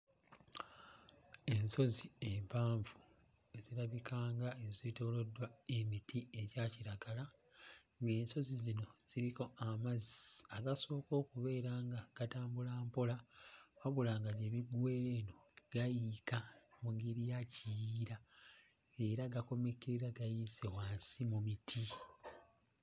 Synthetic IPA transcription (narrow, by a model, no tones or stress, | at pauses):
e̞nso̞ziempaːɱvu | eziɾaβikʰaːŋɡaezeitoːlo̞dwae̞mitʰie̞ɟaːciɾaɡala | ŋɡe̞ːnso̞zizino̞z̥iɾiko̞amaziaɡaso̞ːko̞ːkuβe̞ːɾaːŋɡaɡ̥ataːmbulaːmpo̞laaβulaːŋɡaɟeβiɡwe̞ɾe̞ːno̞ɡ̥ajikamuŋɡeɾijacijiɾa | eɾaɡako̞me̞keɾiɾaɡajisewaːnsimumitʰi